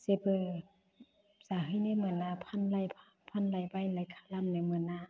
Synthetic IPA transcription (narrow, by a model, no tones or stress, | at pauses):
sebɯː | saːɦɯnamɯnaːpʰanlajpʰapʰanlajbajlajkʰalamnajmɯnaː